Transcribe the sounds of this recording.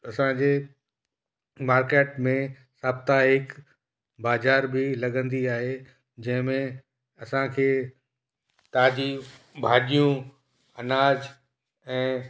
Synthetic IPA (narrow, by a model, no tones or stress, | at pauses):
ɐsãd͡ʑeː | maːɾkeːʈmẽ | saːb̚t̪aɦɪk | baːzaːɾbɪlɐɡə̃nd̪iaːɦe | d͡ʑɐ̃ɦɪ̃mẽ | ɐsãkʰeː | t̪aːd̪i | bʱaːɗijũ | ɐnaːd͡ʑ | ɛ̃ː